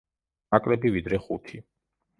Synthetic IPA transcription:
akʼlɛbivid̪ɾɛχut̪ʰi

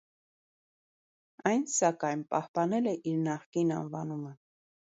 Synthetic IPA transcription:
ɑjnsɑkɑjnpɑhpɑnɛlɛʔiɾnɑχkinɑ̰nvɑnumə

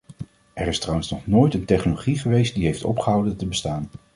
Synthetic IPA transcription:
ɛɹɪstrʌwənsnɔχnoːjtəntɛχnoloχiχəʋejst̚diɦejftɔ̰pχəɦʌwdəntəbəstaːn

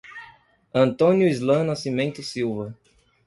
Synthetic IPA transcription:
ɐ̃nt̪õnjʊizlɐ̃nasimẽnt̪ʊsiwvɐ

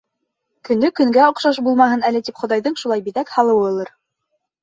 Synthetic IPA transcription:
kɵ̆nɵkɵ̆ŋɡæŏqʃɑʃ̬bulˠmɑɦɤnælɘ̆t̪ipχŏðɑjðɤɴʃulˠɑjbiðækhɑlˠɤ̆wɤ̆ŏlˠɤɾ

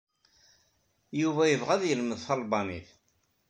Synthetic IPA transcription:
juvæjəvʁæðjəlməðθɑlˤbɑmiθ

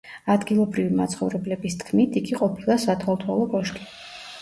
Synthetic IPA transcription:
ad̪ɡilˠɔbɾivimat̪sʰχɔ̰vɾɛblɛbist̪ʰkʰmit̪ʰiɡiqʼɔpʰilˠasat̪ʰalˠt̪ʰwalˠɔkʼɔʃt̪ʼi̥

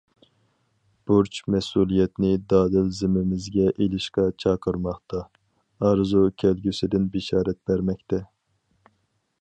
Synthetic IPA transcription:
b̥uɾt͡ʃʰmɛsuːlˠijɛt̪nɪd̪ɑːd̪ɪlzɪmɪmɪzɡʲɛʔelɪʃqɑt͡ʃʰɑːqʰəɾmɑχt̪ɑː | ɾzukʲʰɛlɡʲysɪd̪ɪnbɪʃɑːɾɛt̪̚bæɾmɛkʲt̪ʰɛ

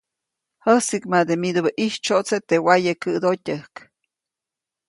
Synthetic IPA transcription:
həsikmad̪emid̪obəʔiht͡ʃoʔt͡set̪ewajəkɨd̪otʲəhk

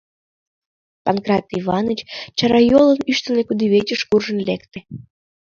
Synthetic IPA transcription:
pɑnkrɑt̪iβɑnət͡ɕt͡ɕɑɾɑjolənyʃt̪ə̆nekud̪iβet͡ɕəʃkurʒənlekt̪e

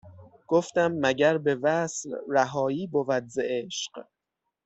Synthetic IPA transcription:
ɡ̥oft̪æmːæɟæɾbe̞væslɾæɦɒːiːbovæd̪zeʔeʃq

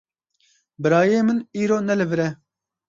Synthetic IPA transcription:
bɨɾɑːjeːmɨniːɾoːnɛlɨvɨɾɛ

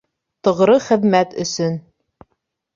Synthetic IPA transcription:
t̪ɤ̆ʁɾɤχɘ̆ðmæt̪ɵ̰̆sɵn

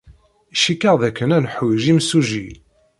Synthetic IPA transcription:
ʃikːəʁðækːənænħwʒimsuʒḭl

